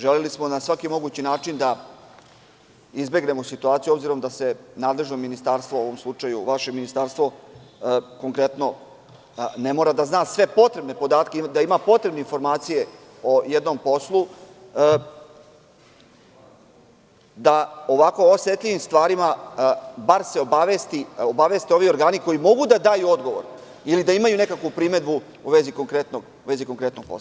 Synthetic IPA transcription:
ʒelelismo̞nasʋakimo̞ɡuːt͡ɕinaːt͡ʂind̪a | izbe̞ɡne̞mosit̪uaːt̪sijuo̞bziɾo̞md̪ase̞naːd̪le̞ʒnominist̪aɾst̪ʋooʋomslˠut͡ʂajuʋaʃe̞minist̪aɾst̪ʋo̞ | ko̞ŋkɾe̞t̪no̞ | ne̞moɾad̪aznaːsʋe̞po̞t̪ɾe̞bne̞po̞d̪aːt̪ked̪aimapo̞t̪ɾebneinfo̞ɾmaːt̪sije̞ | o̞jed̪no̞mpo̞slˠu | d̪aoʋako̞oset̪ʎʲiʋimst̪ʋaːɾima | baɾse̞o̞baʋest̪iobaʋe̞st̪eo̞ʋio̞ɾɡaːniko̞jimo̞ɡud̪ad̪aːjuo̞d̪ɡo̞ʋo̰ɾ | ilid̪aimajune̞kakʋupɾime̞d̪bu | uʋe̞zikoŋkɾet̪noɡ | ʋe̞ziko̞ŋkɾet̪noɡ̚po̰sla

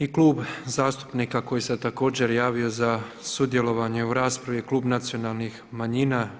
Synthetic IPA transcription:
iklˠuːbzaːst̪u̥pnikako̞jiset̪ako̞ːd͡ʑe̞ɾjaːʋio̞za | sud̪je̞lo̞ʋaɲeuɾaːspɾaʋikluːbnat̪sio̞nalˠnixmaɲina

